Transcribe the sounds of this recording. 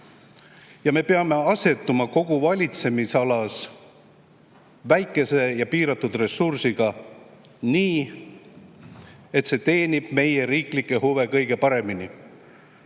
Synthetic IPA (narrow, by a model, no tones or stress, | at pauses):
jɑme̞peɑme̞ɑse̞t̪ːˑumɑko̞ɡ̥uvɑlʲit̪se̞misɑlɑs | væjkːˑe̞se̞jɑpiːɾɑt̪ːud̪̥re̞sursiɡ̥ɑ | niː | e̞t̪se̞ːt̪e̞ːnib̥me̞je̞ɾiːklikːˑehuve̞kɤjɡ̥e̞pɑɾe̞mini